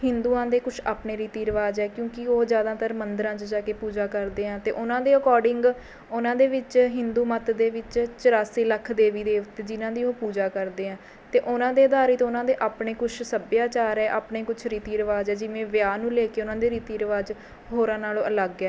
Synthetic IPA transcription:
hɪ̃nd̪uːãːd̪eːkʊʃʰa̰ːpneːɾiːt̪iːɾəʋaːd͡ʒɛːkjõːkɪoːzjaːd̪aːt̪əɾmənd̪əɾãːt͡ʃd͡ʒaːkeːpuːd͡ʒaːkəɾd̪eːãːt̪ḛːʔʊnãːd̪eːəkɔːɾɖɪŋɡ | ʊnãːd̪eːʋɪt͡ʃɦɪ̃nd̪uːmət̪d̪eːʋɪt͡ʃt͡ʃəɾaːsiːləkʰd̪eːʋiːd̪eːʋt̪ːd͡ʒɪnãːd̪iːoːpuːd͡ʒaːkəɾd̪eːɛ̃ː | t̪eːʔʊnãːd̪eːd̪aːɾiːt̪õʊnãːd̪eːʔaːpɳeːkʊt͡ʃʰsəbjaːt͡ʃaːɾɛːʔaːpɳeːkʊt͡ʃʰɾiːt̪iːɾəʋaːd͡ʒɛːd͡ʒɪʋẽːʋɪjaːnũːlɛːkeːʊnãːd̪eːɾiːt̪iːɾəʋaːd͡ʒ | ɦoːɾãːnaːloːʔələɡɛː

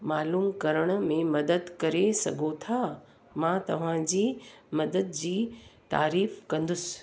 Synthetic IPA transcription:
maːluːmkɐɾəɽ̃mẽmɐd̪əd̪kɐɾesɐɡʱot̪ʰa | mãt̪ɐʋ̤ãd͡ʑiː | mɐd̪əd̪̚d͡ʑiːt̪a̰ːɾiːfkɐ̃nd̪ʊs

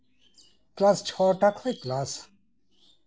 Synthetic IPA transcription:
klɐst͡ʃʰɔːʈɐkʰliklas

